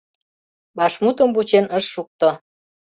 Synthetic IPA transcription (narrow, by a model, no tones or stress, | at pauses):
bɑʃmut̪əmbut͡ɕenəʃːuk̚t̪o